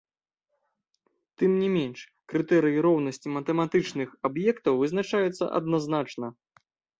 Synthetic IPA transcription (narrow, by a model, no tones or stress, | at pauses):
t̪ɨmnʲimʲɛnʂ | kɾɨt̪ɛɾɨjiɾɔwnɐsʲt͡sʲimɐt̪ɛmat̪ɨt͡ʂnɨxabjɛkt̪ɐwvɨznat͡ʂajɛt̪sːɐ̰ʔɐ̰d̪naznat͡ʂnɐ